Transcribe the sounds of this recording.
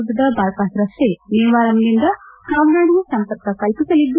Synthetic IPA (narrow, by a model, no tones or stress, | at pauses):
d̪ɐd̪ɐbaːɾpaːsɾɐseneːʋaːɾɐmnind̪ɐkaːmnaːɽisɐmpɐɾkɐkɐlpisɐlːid̪ːu